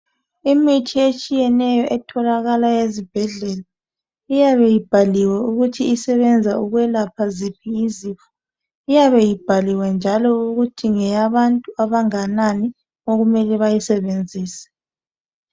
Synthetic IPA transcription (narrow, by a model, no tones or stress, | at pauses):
imitʰiet͡ʃʼijɛnɛjɔʔɛtʰɔlaɣalajezib̥ʱɛɮɛla | ijaβɛjib̥ʱaliwɛuɣutʰiːsɛβɛnd͡zʱauɣwɛlapʰazipʰiːziːfɔ̥ | ijaβɛjib̥ʱaliwɛnd͡ʒʱalɔuɣutʰiŋɛjaβantʼuaβaŋanani | oɣumɛlɛβajisɛβend͡zʱiːsɛ̥